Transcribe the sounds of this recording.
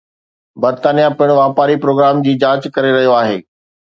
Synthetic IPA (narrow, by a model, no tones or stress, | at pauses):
bɐɾt̪aːnijapɐɪɽ̃ʋaːpaːɾipɾoːɡɾaːmd͡ʑiːd͡ʑaːt͡ɕkɐɾeɾɐɦijoaːɦḛː